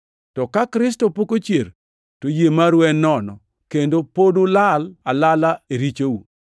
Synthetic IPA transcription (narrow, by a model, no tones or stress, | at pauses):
tɔkakɾɪs̬topokot͡ʃjeɾ | tojemaɾwɛnːɔnɔ | kendopodolalalalaeɾit͡ʃowu